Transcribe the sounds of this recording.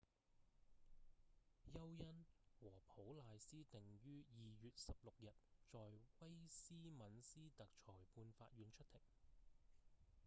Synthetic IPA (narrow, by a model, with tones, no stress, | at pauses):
jɐ˥wjɐ˥nwɔː˨˩pʰo˨˥wlaː˨˧jsiː˥t̪ɪ˨ŋjyː˥jiː˨jyː˨t̚sɐ˨p̚lʊ˨k̚jɐ˨t̚t͡ʃɔː˨jwɐ˥jsiː˥mɐ˨˥nsiː˥t̪ɐ˨k̚t͡ʃʰɔː˨˩jpʰuː˧nfa̰ː˧t̚ɥyː˨˥nt͡ʃʰɵ˥t̪ʰɪ˨˩ŋ̚